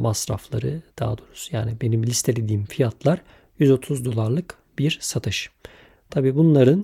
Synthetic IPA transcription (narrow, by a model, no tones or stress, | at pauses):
masɾa̰flˠaɾɯd̪̥a̰ɦa̰d̪oɾu̥sja̰ːnibe̞nimlʲist̪ʰe̞lʲed̪iːmfijat̪ʰlˠaɾ | jyzo̞t̪ʰuzd̪o̞lˠaɾlˠɯk | biɾsat̪ʰɯʃ | t̪ʰabiːbunlˠaɾɯn